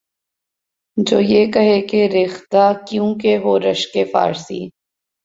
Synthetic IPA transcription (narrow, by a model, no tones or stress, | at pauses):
d͡ʒoːjeːkɐɦekeɾɪxt̪akjũkeɦoːɾɐʃkefa̰ːɾsḭː